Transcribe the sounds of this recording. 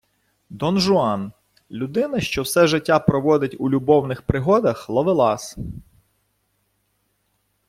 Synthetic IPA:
d̪ɔnʒʊɑn | lʲʊd̪ɪnɐʃt͡ʃɔwsɛʒɪtʲːapɾɔʋɔd̪ɪtʲulʲʊbɔwnɪxpɾɪɦɔd̪ɐxlˠɔʋɪlˠɑs

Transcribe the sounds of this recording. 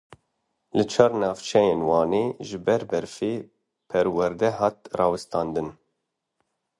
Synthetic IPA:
lɨt͡ʃʰɑːrnɑːvt͡ʃʰɛjeːnwɑːneːʒɨbɛɾbɛɾfeː | pʰɛɾwɛɾd̪ɛɦɑːt̪̚rɑːwɨst̪ɑːnd̪ɨn

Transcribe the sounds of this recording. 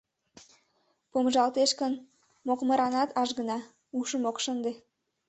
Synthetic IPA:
pomʒɑlˠt̪eʃkən | moqmə̆ɾɑnɑt̪ɑʒɡə̆nɑ | uʃəmoqʃənd̪e

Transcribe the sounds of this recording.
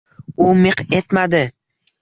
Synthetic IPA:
ʊmɪqe̞t̪mad̪ɪ

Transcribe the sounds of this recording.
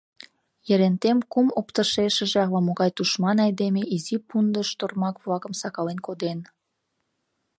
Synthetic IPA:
jə̆ɾent̪emkumopt̪əʃeʃə̆ʒeɑlɑmoɣɑjt̪uʃmɑnɑjd̪emeʔizipund̪əʃt̪ormɑkβlɑkəmsɑkɑlenkod̪en

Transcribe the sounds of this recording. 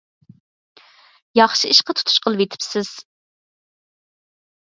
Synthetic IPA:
jɑχʃiiʃqət̪ʰu̥t̪ʰu̥ʃqʰəlˠɨvet̪ʰɪ̥psɪz̥

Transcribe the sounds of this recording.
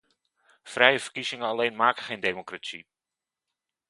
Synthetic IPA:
frɛjəvəɹkizɪŋəɑlejnmaːkəχejndemokratsḭ

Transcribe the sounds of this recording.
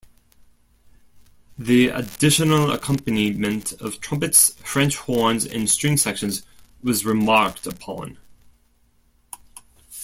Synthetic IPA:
ðiə̰dɪʃɨnl̩ˠə̰kʰʌ̃mpɨnimɨ̃ntʰʌv̥tʰɹ̥ʌ̃mpɨtsfɹɛ̃nt͡ʃhɔɹnzɪ̰̃nstɹ̥ɪ̃ŋsɛkʃɨ̃nzwʌzɹɨmɑɹktʰəpʰɑ̰̃n

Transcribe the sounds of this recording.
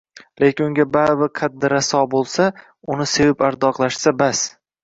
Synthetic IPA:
lekʲɪnʊŋɡʲababɪqʰad̪̚dːɪɾasɒbolˠsa | ʊnɪse̞vɪpaɾd̪ɒqlˠaʃsabas

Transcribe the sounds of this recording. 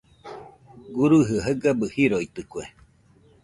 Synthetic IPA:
ɡuɾuɦɯaɦəɡabɯhiɾoit̪ɨkwe

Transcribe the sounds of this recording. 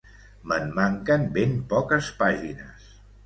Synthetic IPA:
məmːaŋkəmbempɔkəspaʒinə̰s

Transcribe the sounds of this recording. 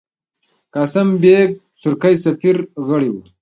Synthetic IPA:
kaːsɐmbeːɡ̚ | t̪ʰuɾkajsɐfiɾɣəɽiwu

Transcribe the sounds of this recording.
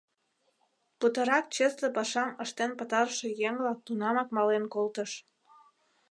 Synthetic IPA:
put̪əɾɑk̚t͡ɕeslepɑʃɑməʃt̪enpət̪ɑɾʃejeŋlɑk̚t̪unɑmɑkmɑlenkolt̪əʃ

